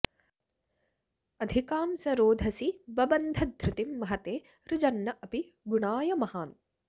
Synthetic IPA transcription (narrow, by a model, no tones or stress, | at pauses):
ɐd̪ʱikaːmsɐɾoːd̪ʱɐsibɐbɐnd̪ʱɐd̪ʱɾʊt̪imːɐɦɐt̪eː | ɾud͡ʒɐnːɐʔɐpi | ɡuɳaːjɐmɐhaːn